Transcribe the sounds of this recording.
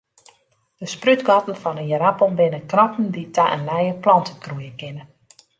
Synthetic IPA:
d̥əsprytɡɔtən̩fɔnənjəɾapənbɪnəkrɔpn̩ditʰaʔənlɛjəplɑntəkrujəkɪnə

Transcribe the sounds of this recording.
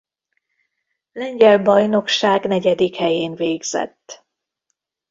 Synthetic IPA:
lɛɲɟɛlbɒjno̞kʃaːɡnɛɟɛd̪ikhɛjeːnveːɡz̥ɛ̰t̪ː

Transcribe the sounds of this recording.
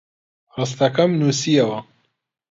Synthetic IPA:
rɨs̬t̪ɐkɐmnuːsiɐwɐ

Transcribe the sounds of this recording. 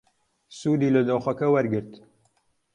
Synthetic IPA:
suːd̪iːləd̪oːxʷɐkɐwɐɾɡɨɾt̪

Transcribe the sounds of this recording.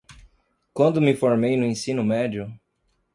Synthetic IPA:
kwɐ̃nd̪ʊmɪfoɾmejnʊẽsĩnʊmɛd͡ʒʊ

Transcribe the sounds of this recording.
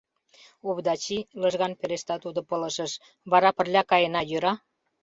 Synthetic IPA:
oβd̪ɑt͡ɕiləʒɣɑnpeɾeʃt̪ɑt̪ud̪opələ̆ʃəʃ | βɑɾɑpə̆rlʲɑkɑjenɑjøɾɑ

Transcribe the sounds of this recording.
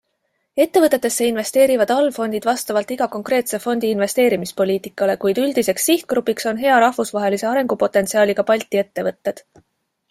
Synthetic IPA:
e̞t̪ːe̞vɤt̪ːˑe̞t̪ːˑe̞sːe̞inve̞st̪e̞ːɾivɑd̪̥ɑlfo̞nʲd̪̥id̪vɑst̪ɑvɑlt̪iɡ̥ɑko̞ŋkre̞ːt̪se̞fo̞nʲd̪iːinve̞st̪e̞ːɾimispo̞lʲiːt̪ˑikːˑɑle̞kujd̪̥yld̪̥ise̞ksːiht̪̚ɡ̥ɾupːikso̞nɦe̞ɑɾɑhvusvɑɦe̞lise̞ɑɾe̞ŋɡ̥upo̞t̪ːˑe̞nt̪siɑːliɡ̥ɑpɑlʲt̪ːˑie̞t̪ːe̞vɤt̪ːe̞d̪̥

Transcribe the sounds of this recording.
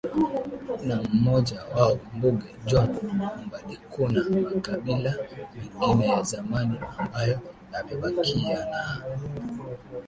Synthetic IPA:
nam̩mɔʄawaɔm̩buɡɛd͡ʒɔnmbalikunamakaɓilamiŋɡinɛjazamaniambajɔnamɛɓakʰiana

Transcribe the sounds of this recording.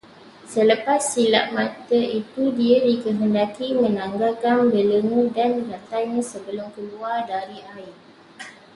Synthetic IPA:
sələpasːila̰ʔ̚mãt̪əit̪udiadikəɦəndakimə̃nãŋɡakanbələŋudanrat̪ajɲãsəbəlʊmkəluardaɾiʔaɪ

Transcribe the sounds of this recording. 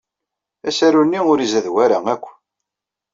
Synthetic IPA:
æsæɾunːiʊɾizæðwæɾaækʷː

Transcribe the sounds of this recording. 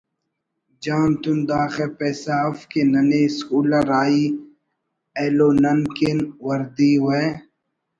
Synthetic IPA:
d͡ʒaːnt̪und̪aːxepeːsaːfkenɐneskuːlɐɾaːi | eːloːnɐnkenwɐɾd̪iːwe

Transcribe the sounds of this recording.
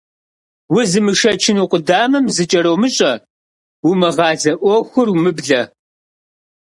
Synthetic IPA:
wʊzɨmɨʂɐt͡ʃʰɪnuqʷʼʊdaːmɐmzɨt͡ʃʼɐɾɐwmɨɕʼɐ | wʊmɐʁɑːzɐʔʷɔxʷʊrumɨbɮɐ

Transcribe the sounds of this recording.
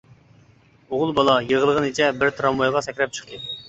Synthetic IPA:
oʁʊlˠbɑlˠɑjəʁəlˠəʁɨnit͡ʃʰɛbɪɾt̪ʰɾɑmːojʁɑsɛkʲɾɛp̚t͡ʃʰə̥χt̪ʰɨ

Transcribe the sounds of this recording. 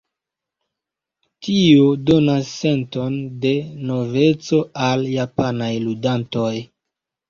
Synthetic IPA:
tiodo̞nasːe̞nto̞nde̞no̞ve̞t͡so̞aljapanajludanto̞j

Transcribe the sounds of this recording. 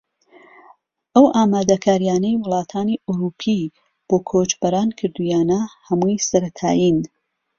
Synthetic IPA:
ʔɐwʔaːmaːd̪ɐkʰaːɾijaːnɐjwʊlˠɑːt̪ʰaːniʔuɾuːpʰi | b̥oːkʰoːt͡ʃbɐɾaːnkʰɨɾd̪ujaːnɐhɐmujsɐɾɐt̪ʰa̰ːjin

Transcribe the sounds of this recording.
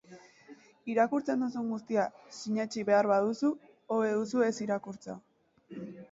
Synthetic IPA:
iɾakuɾt͡se̞nd̪usuŋɡust̪iasiɲat͡ʃiβe̞aɾβað̞usu | oβeðusue̞siɾakuɾt͡sa̰

